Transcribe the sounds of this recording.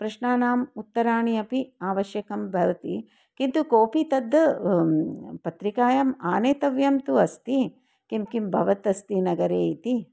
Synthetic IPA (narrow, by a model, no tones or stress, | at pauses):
pɾɐʂɳaːnaːmut̪ːɐɾaːɳiɐpiaːʋɐʃjɐkɐmbʱɐɾɐt̪i | kint̪ukoːpit̪ɐd̪ː | pɐt̪ɾikaːjɐmaːneːt̪ɐʋjɐmt̪uɐst̪i | kimkimbʱɐʋɐt̪ɐst̪inɐɡɐɾeːit̪i